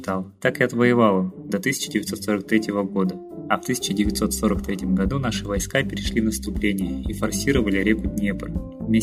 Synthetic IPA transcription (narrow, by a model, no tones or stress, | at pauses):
t̪alˠt̪akɪɐt̪vəjɪvalˠəd̪ɐt̪ɨsʲɪ̥t͡ɕɪdʲɪvʲɪt̪so̞t̪so̞ɾək̚t̪ɾʲetʲɪvəɡo̞d̪ə | ɐft̪ɨsʲɪ̥t͡ɕɪdʲɪvʲɪt̪so̞t̪so̞ɾək̚t̪ɾʲetʲɪmɡɐd̪unaʂɨvɐjskapʲɪɾʲɪʂlʲinəst̪ʊplʲenʲɪjəifɐrsʲiɾəvəlʲɪɾʲekʊt̪̚ʲnʲɪepə̰lʲ | vmʲe